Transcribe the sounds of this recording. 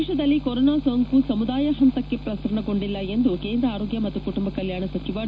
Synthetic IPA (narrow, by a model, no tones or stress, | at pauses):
ʂɐd̪ɐlːikoɾoːnaːsoːŋkusɐmud̪aːjɐɦɐnt̪ɐkːe̞pɾɐsɐɾɐɳɐɡo̞ɳɖilːɐe̞nd̪uke̞ːnd̪ɾɐaːɾoːɡjɐmɐt̪ːukuʈumbɐkɐljaːɳɐsɐt͡ʃiʋa